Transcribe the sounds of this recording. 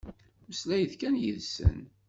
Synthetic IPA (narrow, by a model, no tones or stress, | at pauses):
məslæjθkænjə̰ðsə̰n